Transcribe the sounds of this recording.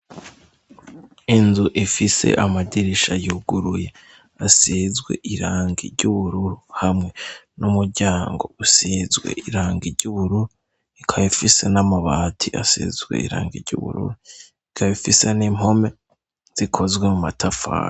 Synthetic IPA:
inzuʔifise̞̰ʔamadiɾiʃajuɡuɾuje | asizɡwe̞̰ʔiɾaːŋɡiɾɟuβuɾuɾuhamŋe̞numuɾɟaːŋɡo̞̰usizɡwe̞̰iɾaːŋɡiɾɟuβuɾuɾu | ikʰaβifise̞namaβaːtʰiʔa̰sḭzɡwe̞̰ḭɾa̰ːŋɡḭɾɟṵβṵɾṵɾu | ikʰaβifise̞nimho̞me̞ | z̥ikʰo̞zɡwe̞mumatʰafa̰ːɾ

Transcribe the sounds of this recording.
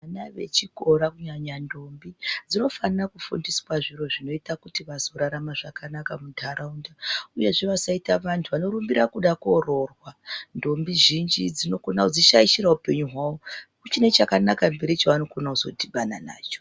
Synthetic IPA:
anaʋe̞̰t͡ʃiko̞ɾakuɲaɲando̞mbid͡zino̞fanakufṵndiswaʐiro̞ʐino̞itakutiʋazo̞ɾaɾamaʐakanakamudʱaɾaundauje̞ʐiʋasaitaʋantʰuʋano̞ɾumbiɾakuɗakoro̞rwando̞mbiʒind͡ʒid͡zino̞konad͡ziʃaiʃiɾaupe̞ɲuɦwaːo̞ | ut͡ʃine̞t͡ʃakanakambe̞ɾit͡ʃaʋanokonauzo̞dʱiɓana̰na̰ːt͡ʃo̥

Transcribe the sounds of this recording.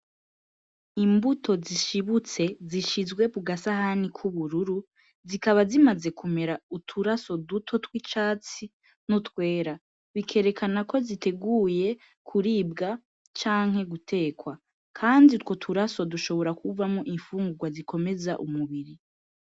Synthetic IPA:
imbutʰo̞ziʃiβut͡se̞ziʃizɡwe̞βuɡasahanikʰuβuɾuɾu | zikaβazimaze̞kume̞ɾautʰuɾaso̞dutʰo̞twit͡ʃaːt͡si | nutkwe̞ːɾa | βikʰe̞ːɾe̞kʰanako̞zite̞ɡuːje̞ | kʰuɾibɡa | t͡ʃaːŋ̥he̞ɡutʰe̞ːkwa | kʰaːnditwo̞tʰuɾaso̞duʃo̞βo̞ɾakʰuvamŋoʔiɱfuːŋɡuɡwazikʰo̞me̞za̰ʔumuβiɾi

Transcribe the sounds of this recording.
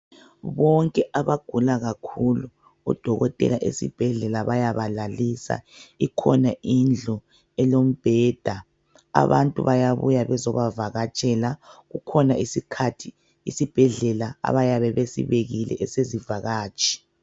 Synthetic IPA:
βɔŋkʼɛʔaβaɡ̥ʱulaɣakʰulṵː | d̥ʱɔɣɔtʼɛ̰laʔḛsḭb̥ʱɛɮɛlaβajaβalalisa̰ikʰɔnaind͡ɮʱɔ | ɛlom̩b̥ʱɛːd̥ʱa | a̰βa̰ntʼṵβajaβṵjaβɛzɔβavaɣat͡ʃʼɛlaɣukʰɔnaisikʰatʰi | ḭsib̥ʱɛɮɛlaa̰βajaβɛβesḭβeɣilɛ̰ʔɛsezivaɣaːt͡ʃʼi̥

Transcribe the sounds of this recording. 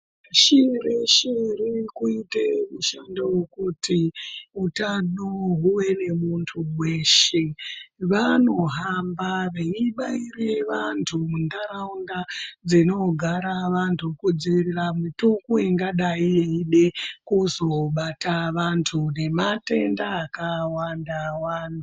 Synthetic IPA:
ʃireʃirikuitemuʃandewokutiutanoɦuwe̞ne̞muntʰuweʃeʋano̞ɦambaʋeiɓaireʋantʰumundaɾaundad͡zino̞ɡʱaɾaʋantʰukud͡ziʋiriramitukuiŋɡaɗaieiɗe̞kuzo̞ɓataʋantʰune̞mate̞ndaːkawandawaːntʰu

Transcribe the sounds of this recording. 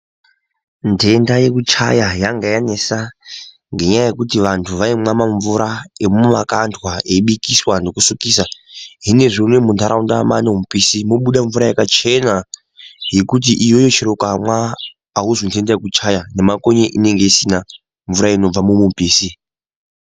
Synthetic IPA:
ntʰe̞ndajekut͡ʃa̰jajaŋɡajanesa | ŋɡe̞ɲajaje̞kutiʋantʰuʋaimwamaɱvuɾaemumumakantʰwaeiɓikiswanokusukiːsaɦine̞ʐiunemunt̪aɾaundamanemupiːsimoɓuɗaɱvuɾajekat͡ʃe̞na | je̞kut̬iʔijo̞jot͡ʃiɾokamwaː | ɦuzontʰe̞ndajekut͡ʃajane̞mako̞ɲeʔine̞ŋɡe̞isina | ɱvuɾaino̞b͡vamumupiːsi

